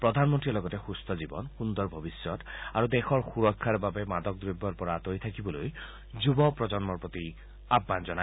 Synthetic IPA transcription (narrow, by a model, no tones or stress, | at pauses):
pɹɔd̪ʱanmɔntɹiɔlɔɡɔtexust̪ʰɔd͡ʒibɔ̰nxund̪ɔɹbʱɔbisjɔt̪aɾud̪exɔɹxuɾɔkʰːaɾbabemad̪ɔk̚d̪ɾibʱːɔɾpɔɹat̪ojt̪ʰakibɔloj | d͡ʒubɔpɹɔd͡ʒɔnmɔɹpɹɔt̪i | abːand͡ʒɔna